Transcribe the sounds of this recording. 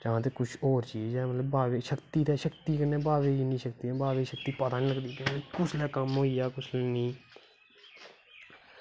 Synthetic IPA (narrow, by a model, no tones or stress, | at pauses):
t͡ʃaãːt̪eːkʊt͡ʃʰoːɾt͡ʃiːd͡ʒɛːmət̪ləbaːʋeːʃəkt̪iːt̪ɛːʃəkt̪iːkənẽːbaːʋeːiːnĩːʃəkt̪iːɛ̃ːbaːʋeːʃək̚t̪iːpət̪aːnĩːləɡd̪iːkəikʊt͡ʃʰlɛːkəmɦoːiːjaːkʊt͡ʃʰlɛːnĩː